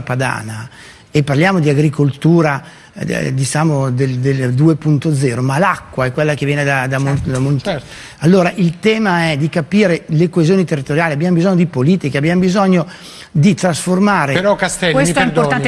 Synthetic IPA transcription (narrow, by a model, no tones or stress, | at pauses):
pad̪a̰ːna | epːarljaːmod̪iaɡɾikolt̪uːɾa̰ | d̪it͡ʃaːmod̪eld̪eld̪uːepunt̪od̪zɛːɾomalakːwaɛkːwelːak̟evjɛːned̪ad̪amoamont̪ɛ | alːoːɾaʔilt̪ɛːmaɛd̪ikapiːɾelekoezijoːnit̪erːit̪oɾjaːliabjaːmobizɔɲːod̪ipoliːt̪ikeabjamobizɔɲːo | d̪it̪ɾasformaːɾepeɾɔkast̪ɛlkwmiɛeid̪oɾoan